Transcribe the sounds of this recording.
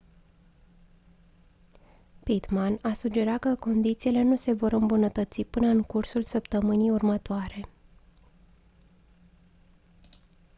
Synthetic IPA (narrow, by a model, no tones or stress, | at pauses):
pit̪manasud͡ʒe̞ɾat̪̚kəko̞nd̪it̪siːle̞nuse̞vo̞ɾɨmbunət̪ət̪sipɨnəɨŋkursulsəpt̪əmɨnijurmət̪oaɾe̞